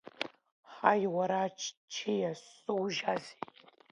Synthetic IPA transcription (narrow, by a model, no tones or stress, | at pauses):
ħajwaɾat͡ʃʰt͡ʃʰejasɨwʒaze